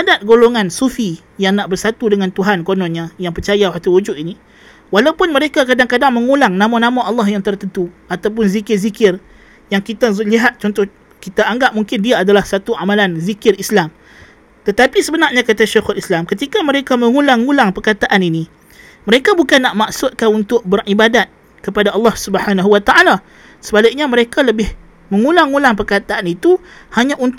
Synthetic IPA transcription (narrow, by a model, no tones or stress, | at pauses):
adat̪̚ɡoloŋansufi | jaŋnaʔbərsat̪udəŋãnt̪uɦankonɔ̃nɲãjaŋpərt͡ʃajaɦat̪uwud͡ʒʊt̪ini | walawupʊnməɾekakadaŋkadaŋməŋulaŋnãmanãmãʔɑlːɑhjaŋt̪ərt̪ənt̪uat̪awp̬ʊnzikɪrzikɪr | jaŋkit̪aliɦat̪̚t͡ʃɔnt̪ɔh | kit̪aʔaŋɡap̚muŋkɪndiaːdalahsat̪uʔamãlanzikɪrislam | t̪ət̪apisəbənaʔɲãkat̪aʃaxʊlislamkət̪ikaməɾekaməŋulaŋːulaŋpərkat̪aʔanini | məɾekabukanːaʔmaksʊt̪̚kaunt̪ʊʔ̚bəribadat̪̚ | kəpadaʔɑlːɑhsubəhanaɦuwat̪aʔala | səbalɪk̚ɲaməɾekaləbɪh | məŋulaŋːulaŋp̬ərkat̪aʔanit̪uhaɲaʔunt̪